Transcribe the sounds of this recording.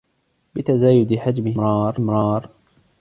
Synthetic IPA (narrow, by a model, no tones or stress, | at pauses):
bɪt̪azaːjʊd̪ɪħad͡ʒmɪhɪɾˤɑːɾˤɪmɾˤɑːɾˤ